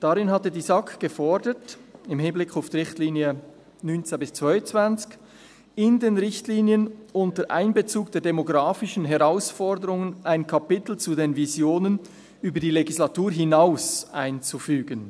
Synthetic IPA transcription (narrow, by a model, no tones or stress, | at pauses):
d̥aɾɪnɦatədiːzakʰɡ̥əfɔɹdətɪmhɪnblɪkʰaʊfd̥iʁɪçtliːnjə | nynt͡sebɪst͡sv̥aɪnt͡sv̥ant͡sç | ɪndeːnʁɪçtliːnjənʊntəʔa̰ɪnbet͡suːkd̥eːɐdemoɡʁaːfɪʃn̩ɦɛʁaʊsfɔɾdəɾʊŋənʔaɪnkʰapɪtl̩t͡sudeːnvizjoːnən | yːbədiːleɡislatuːɾɦɪnaʊsʔaɪnt͡sufyːɡən